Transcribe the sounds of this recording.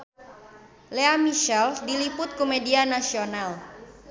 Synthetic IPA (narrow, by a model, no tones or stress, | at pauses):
leamiʃɛldilipʊt̪̚komedianasional